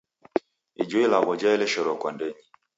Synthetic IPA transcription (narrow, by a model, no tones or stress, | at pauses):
ḭd͡ʒɔilaɣɔd͡ʒaɛlɛʃɔɾɔkwandɛɲi